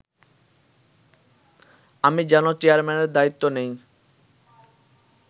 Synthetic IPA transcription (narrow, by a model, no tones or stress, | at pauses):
amid͡ʑɛnot͡ɕeaɾmɛneɾd̪ait̪ːonej